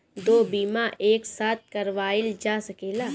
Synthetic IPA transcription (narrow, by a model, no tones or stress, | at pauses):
d̪oːbiːmaʔeːksaːt̪̚kɐɾʋaːɪld͡ʒaːsɐkeːlaː